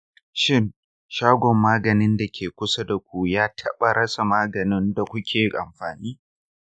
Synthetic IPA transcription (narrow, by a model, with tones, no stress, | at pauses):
ʃɪ˦n | ʃaː˦ɡʷɔ˨mːaː˦ɡɐ˨nɪ˦nda˨kʲeː˨kʷʊ˦sa˦da˨kʷu˨jaː˦tʰɐ˦ɓa˨ɽʔɐ˦sa˨maː˦ɡɐ˨nɪ˦nda˨kʷʊ˦kʲʰeː˨ʔa̰˨mɸaː˨niː˦